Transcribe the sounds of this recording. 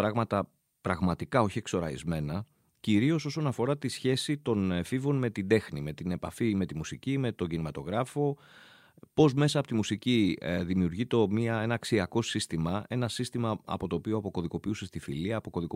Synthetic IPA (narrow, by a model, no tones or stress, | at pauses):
ɾɐɣmɐt̪ɐ | pɾɐɣmɐt̪ikɐo̞çiekso̞ɾɐ̰ḭzme̞nɐ | ciɾio̞so̞so̞nɐfo̞ɾɐt̪isçe̞sit̪o̞nefivo̞nme̞t̪ind̪e̞xnime̞t̪ine̞pɐ̰fime̞t̪imusicime̞t̪o̞ɲɟinimɐt̪o̞ɣɾɐfo̞ | po̞zme̞sɐːpo̞t̪imusiciðimiuɾʝit̪o̞miɐe̞nɐːksiɐko̞sist̪imɐe̞nɐsist̪imɐɐ̰po̞t̪oːpioɐpo̞ko̞ðiko̞piuse̞st̪ifiliɐːpo̞ko̞ðiko